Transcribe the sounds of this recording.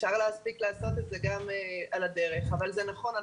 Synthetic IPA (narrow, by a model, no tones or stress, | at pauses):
ʃaʁleaspiklaːso̞t̪etzeɡamalad̪eʁe̞χavalzenaχo̞na